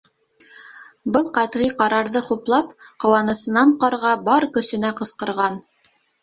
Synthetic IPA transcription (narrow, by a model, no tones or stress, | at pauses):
bɤlˠqɑt̪ʁiqɑɾɑɾðɤχuplˠɑpqŏwɑnɤ̆sɤ̆nɑɴqɑɾʁɑbɑɾkɵ̆sɘ̆næqɤ̆sqɤ̆ɾʁɑn